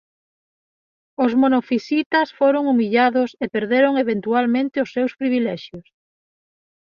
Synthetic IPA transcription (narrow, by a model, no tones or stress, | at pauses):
ʊzmonofisit̪ɐsfoɾoŋumiʎaðʊsepeɾðeɾoŋeβent̪ualmẽnt̪ɪʊsːewspɾiβilɛʃjʊs